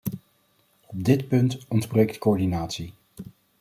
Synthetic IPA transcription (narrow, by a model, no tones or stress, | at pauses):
ɔb̚dɪtpɵntɔndbrejktkoɔɹdinaːtsi